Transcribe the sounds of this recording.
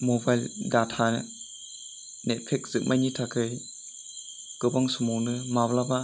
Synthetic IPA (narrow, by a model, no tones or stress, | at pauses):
mɔbajldatʰa | net̚pʰek̚z̥ɯmʔajnitʰakʰɯj | ɡ̥ɯbaŋsɔmɔwnɯmablaba